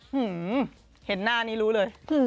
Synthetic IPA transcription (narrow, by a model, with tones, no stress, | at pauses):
ʔɯ˧˩ | he˨˩t̪̚naː˥˩niː˦˥ɾuː˦˥lɤː˧jʔ